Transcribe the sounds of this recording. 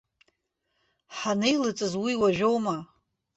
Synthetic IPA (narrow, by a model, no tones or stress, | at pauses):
ħanejlɨt͡sʼɨzwiwaʒᶣowma